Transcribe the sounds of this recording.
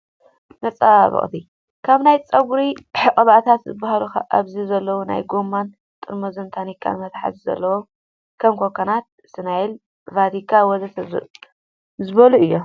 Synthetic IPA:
nɐt͡sʼaβɨ̰χʼt̪ʰi | kʰaβnajt͡sʼɐɡuɾiħɨkʼɐβat̪ʰat̪zɨ̰bahaluxa̰ʔaβzizɐlːɐwona̰jɡomːan | t̪ʼɨɾmozɨnt̪ʰanikʰːa̰nmɐt̪ʰħa̰zizɐ̰lːɐwo | kʰɐmkʰokʰːɐnat̪̚ | sɨnajil | vad̪ikʰːawɔzɐt̪ʰɐz̰ | zɨβɐluɨjːo

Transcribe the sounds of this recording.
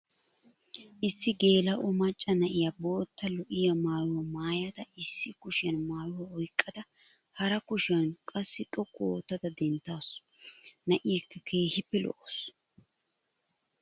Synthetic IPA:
ʔɪsːɪɡe̞ːlɐʔɔmɐt͡ʃʼːɐnɐʔɪjɐboːt̪ːɐlɔʔɪjɐmaːwɪwɐmaːjɐd̪ɐɪsːɪkʊʃɪjɐnmaːwɪwɐɔjkʼːɐd̪ɐ | hɐɾɐkʊʃɪjɐnkʼɐsːɪt̪ʼɔkʼːoːt̪ːɐd̪ɐd̪ɛnt̪ːaːsɔ̥ | nɐʔɪjɛkːɐkʰe̞ːhɪpːɛlɔ̰ʔos

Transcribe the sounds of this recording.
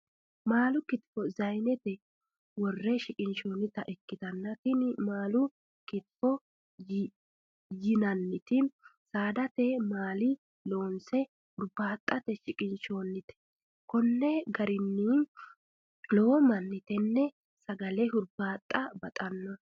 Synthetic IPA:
maːlʊkɪt̪fɔzɐjnɛt̪ɛ | wɔrːɛʃɪkʼɪnʃo̞ːnːɪt̪ɐʔɪkːɪt̪ɐnːɐt̪ɪnmaːlʊ | kɪt̪fɔ | jɪnɐnːɪt̪ɪsaːd̪ɐt̪ɛmaːlɪ | lo̞ːnsɛ | hʊɾbaːt̪ʼːɐt̪ɛʃɪkʼɪnʃo̞ːnːɪt̪ɛ̥ | kɔnːɛɡɐɾɪnːɪ | lɔɔmɐnːɪt̪ɛnːɛ | sɐɡɐlɛɦʊɾbaːt̪ʼːɐbɐt̪ʼɐnːɔ

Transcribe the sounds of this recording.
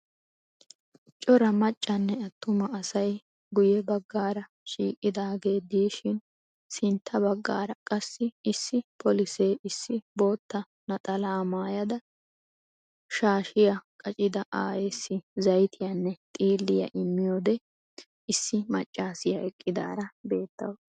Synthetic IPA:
t͡ʃʼɔɾɐmɐt͡ʃʼːɐnːɛɐt̪ːʊmɐːsɐj | ɡʊjɛbɐɡːaːɾɐ | ʃiːkʼːɪd̪aːɡe̞ːd̪iːʃɪn | sɪnt̪ʰːɐbɐɡːaːɾɐkʼɐsːɪɪsːɪpʰɔlɪseːɪsːɪbo̞ːt̪ːɐ | nɐt̪ʼɐlaːmaːjɐd̪ɐ | ʃaːʃɪjɐkʼɐt͡ʃʼɪd̪ɐʔaːjɛsːɪzɐjt̪ʰɪjɐnːɛt̪ʼiːlːɪjɐ̰ʔɪmːɪjoːd̪ɛ | ɪsːɪmɐt͡ʃʼːaːsɪjɐʔɛkʼːɪd̪a̰ːɾɐbe̞ːt̪ːɐ̰wɐ

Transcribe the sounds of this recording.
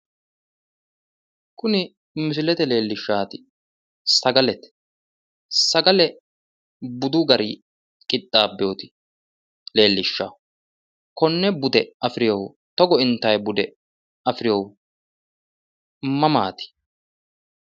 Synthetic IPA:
kʊnɪ | mɪs̬ɪlɛt̪ɛle̞ːlːɪʃːaːt̪ɪ | sɐɡɐlɛt̪ɛ̥ | sɐɡɐlɛ | bʊd̪ʊɡɐɾɪ | kʼɪt̪ʼːaːbːɛjot̪ɪ̥ | le̞ːlːɪʃːa̰ː | kɔnːɛbʊd̪ɛɐfɪɾɪjɔw | t̪ɔɡɔɪnt̪ːɐjbʊd̪ɛ | ɐfɾɪjɔw | mɐmaːt̪ɪ̥

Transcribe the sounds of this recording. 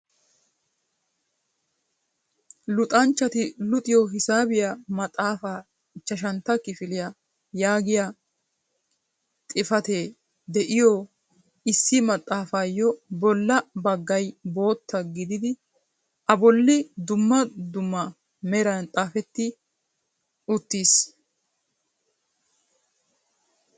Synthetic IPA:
lʊt̪ʼɐnt͡ʃːɐt̪ɪlʊt̪ʼɪjɔɦɪsaːbɪjamɐt̪ʼːaːfaː | ɪt͡ʃːɐʃ̬ɐnt̪ːɐkɪfɪlɪja | jaːɡɪja | t̪ʼɪfɐt̪e̞ː | d̪ɛʔɪjɔ | ɪsːɪmɐt̪ʼːaːfaːjɔbɔlːɐbɐɡːɐjbo̞ːt̪ːɐɡɪd̪ɪd̪ɪ | ʔɐbɔlːɪd̪ʊmːɐd̪ʊmːɐ | mɛɾɐnt̪ʼaːfɛt̪ːɪ | ʊt̪ːiːs

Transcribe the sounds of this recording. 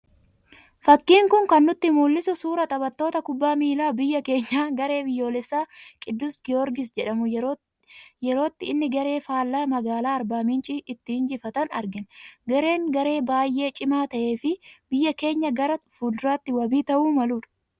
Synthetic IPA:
fɐkːiːŋkʊŋkɐnːʊt̪ːɪmuːlːɪsʊsuːɾɐt̪ʼɐbɐt̪ːo̞ːt̪ɐkʊbːaːmiːlaːbɪjːɐke̞ːɲːaːɡɐɾe̞ːbɪjːo̞ːlɛsːaːkʼɪd̪ːʊsɡɪɔɾɡɪs̬d͡ʒɛᶑɐmʊ | jɛɾo̞ːt̪ːɪɪnːɪɡɐɾe̞ːfaːlːaːmɐɡaːlaːɐɾbaːmɪnt͡ʃʼɪʔɪt̪ːɪhɪnd͡ʒɪfɐt̪ɐnɐ̰ɾɡɪnɡɐɾe̞ːŋɡɐɾe̞ːbaːjʔe̞ːt͡ʃʼɪmaːt̪ɐʔe̞ːfɪbɪjːɐke̞ːɲːɐɡɐɾɐfuːd̪ɾaːt̪ːɪwɐbiːt̪ɐʔuːmɐluːᶑɐ̥

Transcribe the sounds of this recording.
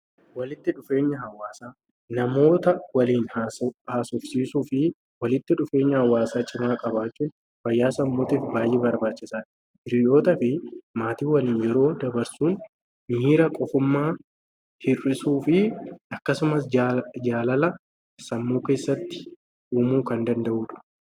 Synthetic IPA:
wɐlɪt̪ːɪᶑʊfe̞ːɲːɐɦɐwaːsaː | nɐmo̞ːt̪ɐwɐliːnhahaːsɔfsiːsufɪ | wɐlɪt̪ːɪᶑʊfe̞ːɲːɐhɐwaːsaːt͡ʃʼɪmaːkʼɐbaːt͡ʃːuːn | fɐjːaːsɐmːoːt̪iːfbaːjʔeːbɐɾbaːt͡ʃːɪsaːᶑ | ʔɪɾɪʔo̞ːt̪ɐfɪmaːt̪iːwɐliːnjɛɾo̞ːd̪ɐbɐɾsuːn | mɪiːɾɐkʼɔfʊmːaː | hɪrɪsuːfɪɐkːɐsʊmɐsd͡ʒaːlɐlɐ | sɐmːoːke̞ːsːɐt̪ːɪ̥ | ʔuːmuːkɐnd̪ɐnd̪ɐʔuːᶑɐ̥

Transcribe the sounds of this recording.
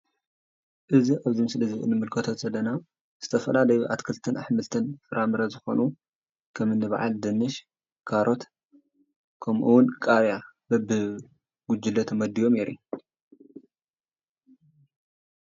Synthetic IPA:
ʔɨziʔaβzimɨsɨlɐzɨʔɨ̰nɨmɨlkʰɐt̪ʰot͡sʼɐlːɐna | z̥ɨt̪ʰɐfɐlalɐjuʔat̪kʰɨlt̪ʰɨnʔaħmɨlt̪ʰɨnfɨɾʔamɨɾɐzɨxo̞̰nu | kʰɐmɨnːɨβa̰ʕa̰ld̪ɨnɨʃ | kʰaɾʔo̞t̪ | kʰɐmʔuwʊnkʼaɾjabɐbɨ | ɡ̥ʊd͡ʒɪlːɐt̪ʰmɐd̪ijo̞meɾiu

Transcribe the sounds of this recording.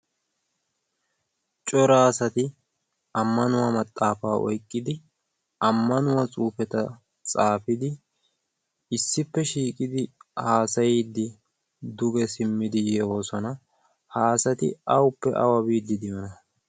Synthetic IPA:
t͡ʃʼɔɾaːsɐt̪ɪ | ɐmːɐnʊwamɐt̪ʼːaːfaːʔɔ̰jkʼːɪd̪ɪ | ɐmːɐnʊwɐt͡sʼuːfɛt̪ɐ | t͡sʼaːfɪd̪ɪ | ɪsːɪpːɛʃiːkʼɪd̪ɪhaːsɐjd̪ːɪ | d̪ʊɡɛsɪmːɪd̪ɪjɛwoːsɔnɐ | haːsɐt̪ɪ̰ɐwʊpːɛʔɐ̰wɐbiːd̪ːɪd̪ɪjɔnɐ

